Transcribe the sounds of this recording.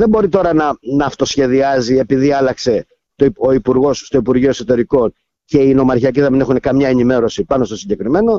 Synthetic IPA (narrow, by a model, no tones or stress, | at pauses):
ðe̞mbo̞ɾit̪o̞ɾɐnɐnɐːft̪o̞sçe̞ðiɐzie̞piðiɐlɐkse̞ | t̪oo̞ipuɾɣo̞sːt̪o̞ipuɾɣio̞e̞so̞t̪e̞ɾiko̞n | ce̞ino̞mɐɾçiɐciðemine̞xune̞kɐmɲɐe̞nime̞ɾo̞sipɐno̞st̪o̞siɲɟe̞kɾime̞no̞